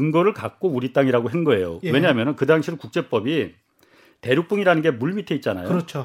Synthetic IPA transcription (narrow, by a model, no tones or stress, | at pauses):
ɯŋɡʌɾɯɭkak̚k͈ouɾit͈aŋiɾaɡoɦe̞ŋɡʌe̞jo̰we̞ɲamjʌnɯnkɯdaŋɕʰinɯnkuk̚t͡ɕ͈e̞p͈ʌbi | te̞ɾjuk̚p͈uŋiɾanɯnɡe̞muɭmitʰeit̚t͡ɕ͈ana̰joɾʌt͡ɕʰo